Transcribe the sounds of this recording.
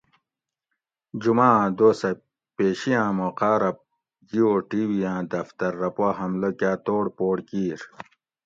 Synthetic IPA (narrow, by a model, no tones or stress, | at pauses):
d͡ʑumãːd̪oːsɐ | peːɕijãːmoːqaːɾɐp̚ | d͡ʑioːʈiːwijãːd̪ɐft̪ɐɾːɐpwaɦɐmlokjaːt̪oːɽpoːɽkiːɾ